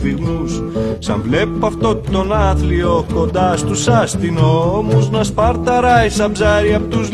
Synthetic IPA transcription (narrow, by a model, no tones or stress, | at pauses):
iɣnus | sɐ̰ɱvle̞pɐft̪o̞t̪o̞nɐθlio̞ko̞nd̪ɐst̪usɐst̪inoomoznɐspɐɾt̪ɐɾɐisɐbzɐɾiɐpot̪uz